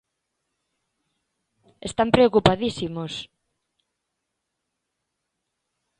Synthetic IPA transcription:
est̪ampɾeokupaðisimos

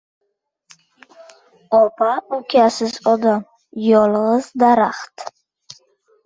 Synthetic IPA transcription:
ɔpʰaukʰʲasɪzɔd̪am | jɔlʁəzd̪aɾaχt̪

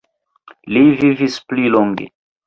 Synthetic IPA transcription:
livivisplilɔŋɡḛ

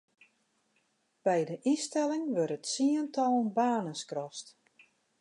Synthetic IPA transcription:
b̥ɛjdəʔistɛlɪŋʋørtətsiəntʰɔlˠnbaːnəskrɔst

